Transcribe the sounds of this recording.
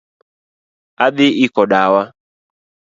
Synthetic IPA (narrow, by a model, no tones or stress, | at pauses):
aɓɪʔikɔɗawa